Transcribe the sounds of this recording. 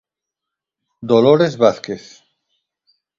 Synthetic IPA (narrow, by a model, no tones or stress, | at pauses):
d̪oloɾezβaθkeθ